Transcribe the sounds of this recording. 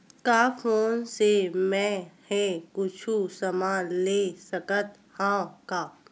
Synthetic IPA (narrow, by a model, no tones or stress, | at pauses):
kaːfʰoːnsemɛ̃hɛ̃kʊt͡ʃʰusɐmaːnleːsɐkət̪ | hãːkaː